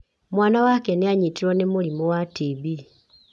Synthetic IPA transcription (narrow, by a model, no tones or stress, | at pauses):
mwaːnawakeneaɲitiɾwɔnemulimowatibi